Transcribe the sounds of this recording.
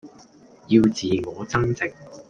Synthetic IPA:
ji˧wt͡siː˨ŋɔː˨˧t͡sɐ˥ŋt͡sɪ˨k̚

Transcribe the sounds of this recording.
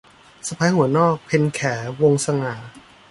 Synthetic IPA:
sa˧pʰa˧˦˥jhu˩˦nɔː˥˩k̚pʰe˧nkʰɛː˩˦wo˧ŋsa˧ŋaː˩˦

